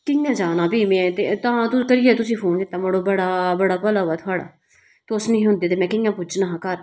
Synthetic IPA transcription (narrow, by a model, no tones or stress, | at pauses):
kɪŋɡãːd͡ʒaːnãːpiːmɛ̃ːt̪eːt̪ãːt̪ʊkəɾɪːeːt̪ʊsĩːpʰoːnkɪt̪ːãːmoɽoːbəɽaːbəɽaːpəlaːɦoaːt̪ʰʊaːɽa̰ː | t̪ːʊsnĩːɦʊ̃nd̪iːt̪̬eːmɛ̃ːkɪɡãːpʊd͡ʒnaːɦkəɾ